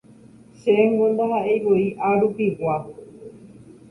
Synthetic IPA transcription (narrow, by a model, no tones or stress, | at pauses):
ʃeŋɡõnd̪aɦaʔejʋoiʔaɾupiwa